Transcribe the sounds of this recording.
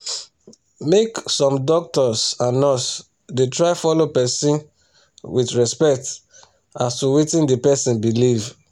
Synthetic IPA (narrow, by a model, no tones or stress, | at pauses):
meksɔ̃mdɔk̚tɔsãnɔs | detɹaɪfɔlopɛsĩn | wiθɹɛspɛk̚t | astuwitĩndepɛsĩnbiliv